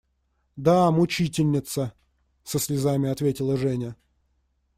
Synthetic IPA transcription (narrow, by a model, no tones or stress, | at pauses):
d̪amʊt͡ɕitʲɪlʲnʲɪt̪sə | səsʲlʲɪzamʲɪɐt̪vʲetʲɪlˠəʐɛnʲə